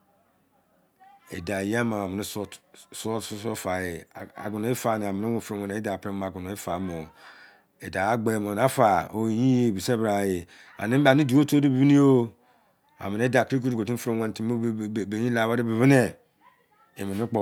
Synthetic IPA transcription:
ḛ˨da˨ja˦ma˨a˨mi˨i˦sssso˦fa˨jḛ˨a̰˨ɡu˨no˨i˦fa˨ne˨a˨mi˨ne˦wu˦fɾo˨we˨ne˨˦i˦da˨pɾe˦m˨a˨ɡu˨no˨i˦fa˨˦mo˨ | e˨da˨a˦ɡ͡be˨mo˨n˨a˦fa˨o˨i˨ji˦je˦˨bi˨se˦bɾa˨je˨ | a̰˨ni˦ba˨ni˦di˨˦o˦to˦di˦bi˦bi˦ni˦o˦ | a̰˨mi˨ne˦da˨pɾi˦ku˦u˨ɡo˨ti˦fo˦we˦n˨ti˦˨be˨ɲĩ˦la˨ba˦ɾi˦bi˨βi˦ne˦˨ | e˨mi˨ni˦k͡po˨

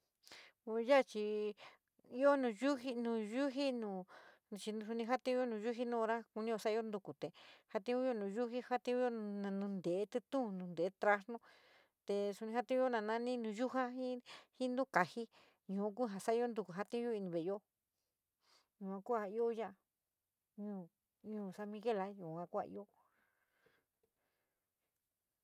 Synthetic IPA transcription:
u˧ja˦˧t͡ʃi˧ | i˦o˦nũː˨ju˦ɦi˧nũː˨ʒu˦ɦi˦nũː˨ | t͡ʃi˧n˧su˧nĩ˧ɦa˦t̪ĩ˦jo˦nũ˨˧ʒu˦ɦi˦nũ˦˧ɾa˦ku˧nĩ˦jo˧sa˦˧˦o˦nd̪u˧ku˨t̪e˨ha˧t̪ĩ˧˦ũ˦jo˦˧nũː˨ʒu˦ɦi˦ha˦t̪ĩ˦˧˦u˦jõ˦˧nã˨˧nũ˧nd̪e˨e˦t̪ɨ˧t̪ũ˦˨nũ˨˧nd̪e˨˦t̪ɾa˧snõ˦ | t̪e˧˨su˧nĩ˧ɦa˦t̪ĩ˦ũ˦jo˦nã˧˨nã˧nĩ˦nũ˧ju˦ɦa˦ɦĩ˦hĩ˦nũ˦ka˨hi˦ | ɲũ˨˦k̬u˦ɦa˨sa˦˧o˦nd̪u˧ku˨ɦa˦t̪ĩ˦o˦i˧nĩ˧βe˨jo˦ | ɲũ˨ã˧ku˦a˧i˦o˦jã˦a˧ | ɲũː˧ | ɲũː˧˨sa˧mĩ˧ɣe˦˨la˦jũ˨ã˧˦ku˦a̰˧ʔḭ˦o˦

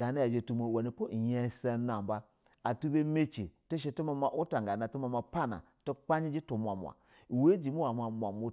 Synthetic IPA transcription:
ɡa˨na˦ja˨d͡ʒe˨tu˦mo˨wa˨ni˨pu˦˨je˦se˦na˨m˨ba˦ | a˨tu˦be˦me˦t͡ʃḭ˨ti˦ʃ̬e˧tu˦ma˨ma˨ʔu˦ta˨ŋ˨ɡa˨na˨tu˦ma˨ma˨pa˦na̰˨ | tu˦k͡pa˦ɲi˦d͡ʒi˦tu˨mʷ˨a˨mʷ˨a̰˨ | we˦d͡ʒi˨mu˦wa˨ma˨mʷ˨a˨mu˦

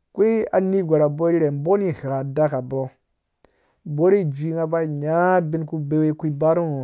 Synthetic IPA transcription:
kʷi˦a˨ni˦ɡʷa˨ɾa˨bo˦i˦ɾe˨nbo˦ni˦ha˨da˦ka˨bo˦ | bo˦ɾi˦˨d͡ʒʷi˦ŋa˦ba˦˨ɲa˦bi˦nku˦be˦we˦kʷi˦ba˦ɾu˦ŋo˨

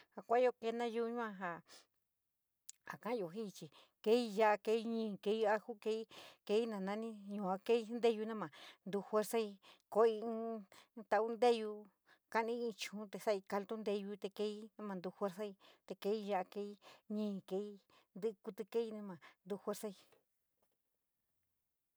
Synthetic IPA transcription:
ha˨kʷa˦jo˧ke˧˦nã˦ju˧ɲũ˦ã˧ɦa˧ | a̰˨kã˦jo˨ɦi˦˧t͡ʃi˨ | ke˦i˦˧ja˧˦ʔa˧ke˧i˦ɲĩː˧˨ke˧˦˧a˧hu˦ke˧˦i˦ke˧˦i˦nã˨nã˦˧nĩ˦ɲũ˨a˧ke˦i˧˦nd̪e˦ju˧nã˦mã˨nd̪u˧hwe˦ɾsa˦i˧ko˧˦i˧˦t̪a˧u˦nd̪e˦ju˧ | ka˦nĩ˧˦ĩ˧t͡ʃũ˨˦t̪e˧sa˦˨i˧ka˧lt̪u˦nd̪e˧ju˧t̪e˧ke˧˦i˦nã˦mã˧nd̪u˧xʷe˦ɾsa˦i˧t̪e˧ke˧˦i˦ja˧a˧ke˧i˦ɲĩː˦˧˨ke˧i˦ | nd̪ɨ˦˧ku˧t̪ɨ˧ke˦i˧nẽ˧mã˨nd̪u˧xwe˦ɾsa˦i˧

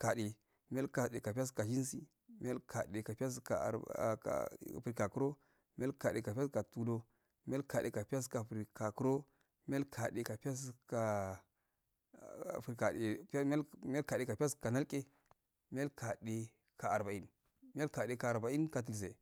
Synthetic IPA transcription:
ka˨de˨ | mi˦a˦ka˨ɗe˨ka˨pa˦s̬ka˨d͡ʒi˦n˦si˦ | mi˦a˦lkʰa˨de˨ka˨pi˦a˦s̬ka̰˨ | pɾi˨ka˨ku˦ɾo˦ | mi˦a˦lka˨de˨ka˨pa˦ska˨tu˦do˦ | mi˦a˦lka˨dḛ˨ka˨pi˦ja˦s̬ka˨fɾi˨ka˨ku˦ɾo˦ | mi˦a˦lkʰa˨ɗe˨ka˨pi˦ja˦s̬ka˨ | fɾka˨e˨pm˦a˦mi˦a˦lka˨de˨ka˨pi˦a˦ska˨na˦lkʼe˦ | mi˦ja˦lka˨de˨ | ka˨a˨ɾba˨i˦n | mi˦a˦ka˨de˨ka˨ɾba˨i˦nka˨t̬i˨ls̬e˨

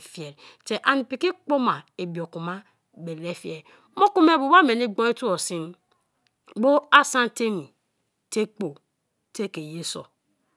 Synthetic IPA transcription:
fi˨e˨ɾte˨ʔa˨ni˨pi˨ki˦k͡po˦ma˨e˨bo˨ku˨ma˦ | be˨le˦fje˨ɾ | mo˦ku˦me˦˨bu˨ba˦me˨ni˦ɡ͡bo˦e˦tu˦o˨si˦n | bo˦a˦sa˦n˦te˦mi˨ | te˦k͡po˨ | te˦ke˨je˦so̰˨

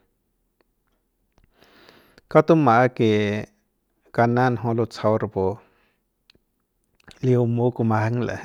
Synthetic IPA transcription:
ka˦t̪u˦mã˨˦ke˨ | ka˧nã˦˧˨nɦõ˧lo˧t͡sʰa˧wɾpo˨ | li˧o˧mo˦ku˧mã˧ha˧˦ŋla̰˨

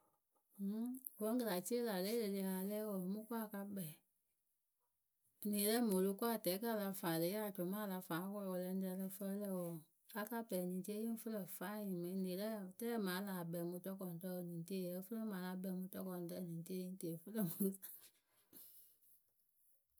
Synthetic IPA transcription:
wɔ̃˧˦ŋ˦ɡə˨˧la˨ti˦e˦la˨lɛ˨˦le˧˨le˧˨a˨lɛː˦wɔ˧˨mũ˦kwa˦˨ka˧bɛ˨ | nĩː˨lɛ˦mo˨lo˧˦kʷa˦˨tɛː˨˦ka˦˨la˧faː˨le˦a˦˨d͡ʒɔ̃˨mãː˦˨la˧fãː˨˦kɔ˧lɔ˧wɔ˧lɛ˧˦n˦dɛ˧lɛ˧fə˧˦lɛ˦˧˨wɔ˧˨ | a˧˦ka˦bɛ˨nĩ˨ti˦e˦ĩ˦fə˦lɜ˧˨faː˨˦ɲĩ˨mẽ˨˦nĩ˨˦lɛ˦˨tɛː˦mã˨˦la˨bɛ˨mũ˧tɔ˧˦kɔ̃˨n˨tɔ˧˦˧nĩ˨ti˦˨jɛ˨˦fə˦lɜ˦mã˨˦la˧˦bɛ˨mũ˧˦tɔ˧˦kɔ̃˨n˨tɛ˧˦˨nĩː˨˦ti˦e˦jĩ˦te˦˨fə˦lə˦mũ˦za˨

